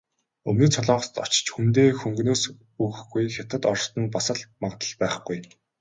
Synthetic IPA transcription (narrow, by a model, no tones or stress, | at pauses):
ɵmnĭːt͡sʰɔɮɔːʁɞ̆st̪ɔ̰t͡ɕt͡ɕxunt̪eːxɵŋɡnoːs | uːx̆xɡujxʲat̪ə̆t̪ɔrst̪ɞ̆npasə̆ɮmaʁt̪ə̆ɮpæːχɡuj